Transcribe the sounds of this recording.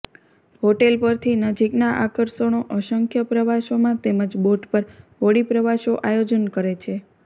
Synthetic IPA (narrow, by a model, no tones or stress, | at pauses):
ɦoʈelpəɾt̪ʰinəd͡ʒiknaʔakəɾsonoʔəʃəŋkʰjəpɾəʋaʃomãt̪eməd͡ʒboʈpəɾʋoɽipɾəʋaʃoʔajod͡ʒənkəɾet͡ʃʰe